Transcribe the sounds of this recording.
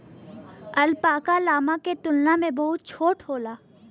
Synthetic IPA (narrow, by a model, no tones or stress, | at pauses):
ɐlpaːkalaːmaket̪ʊlnamẽbɐɦʊt̪̚t͡ʃʰoːʈhoːlaː